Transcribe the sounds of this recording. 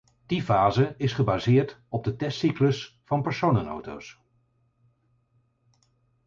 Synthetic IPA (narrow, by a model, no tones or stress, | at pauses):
d̥ivaːzəɪsχəbaːzɪːɹtɔb̚dətɛstikləsfɑnpəɹsownəno̰wto̰ws